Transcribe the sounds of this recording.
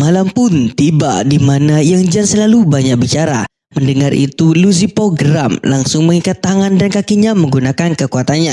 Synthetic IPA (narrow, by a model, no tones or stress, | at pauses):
malampʊnt̪iba̰ʔdimanajaŋd͡ʒansəlalubaɲak̚bit͡ʃaɾa̰ | məndəŋaɾʔḭt̪uluzipoɡɾamlaŋsʊŋməŋikat̪ːaŋandankakiɲaməŋɡunakankəkuat̪anɲa